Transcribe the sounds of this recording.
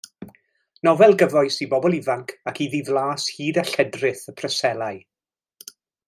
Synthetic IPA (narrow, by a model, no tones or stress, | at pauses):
nɔvɛlˠɡəvɔɨsibɔbɔlˠivaŋkʰakʰiðiðlˠaːshiːdaɬɛdrɪθəpʰrəsɛlˠaɨ